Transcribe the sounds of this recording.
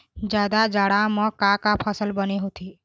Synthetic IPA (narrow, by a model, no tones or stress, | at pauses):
d͡ʒjaːd̪ad͡ʒaːɽamə̃kakapʰəsəlbəniɦot̪iː